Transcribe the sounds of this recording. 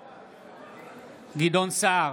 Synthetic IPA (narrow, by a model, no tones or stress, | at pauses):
ɡidɔnsa